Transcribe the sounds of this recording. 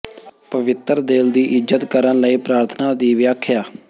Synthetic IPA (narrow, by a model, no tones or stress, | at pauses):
pəʋɪt̪ːɾd̪eːld̪iːʔɪzət̪kəɾənləiːpɾaːɾt̪ʰənaːd̪iːʋɪjaːkʰːjaː